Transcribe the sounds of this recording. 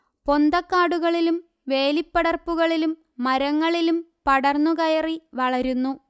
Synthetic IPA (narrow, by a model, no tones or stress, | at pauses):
po̞nd̪ɐkːaːɽuɣɐɭilum | ʋe̞ːlipːɐɽɐrpːuɣɐɭilumː | ɐɾɐŋːɐɭilumpɐɽɐrnːukɐjɐriʋɐɭɐɾunːu